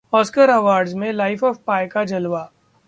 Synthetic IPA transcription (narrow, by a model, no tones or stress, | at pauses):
ɔːskəɾɐʋaːɾɖzmẽlaɪfɔːfpaːjkad͡ʒɐlʋaː